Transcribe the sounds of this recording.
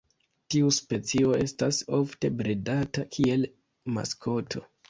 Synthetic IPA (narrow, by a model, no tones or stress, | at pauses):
tiuspe̞t͡sio̞e̞staso̞fte̞bɾidatakʰie̞l | ma̰skʰo̞tʰo̞̰